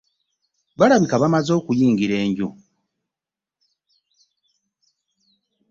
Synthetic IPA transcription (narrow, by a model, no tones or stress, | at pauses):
βaɾaβikaβamazo̞ːkujiːŋɡiɾe̞ːɲɟu